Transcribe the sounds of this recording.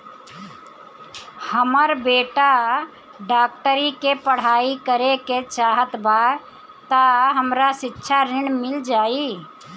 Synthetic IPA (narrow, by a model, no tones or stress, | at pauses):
həməɾbeːʈa | ɖaːk̚ʈəɾikepəɽ̤aːikəɾeket͡ʃaːɦət̪baː | t̪aɦəmɾasɪtːʃʰaɾɪɳmɪld͡ʒaːi